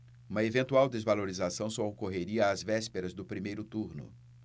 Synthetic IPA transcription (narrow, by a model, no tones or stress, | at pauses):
ũmɐevẽnt̪uawd̪ezvaloɾizasɐ̃w̃sɔokoɦeɾiɐːzvɛspeɾɐzd̪ʊpɾimejɾʊt̪uɾnʊ̰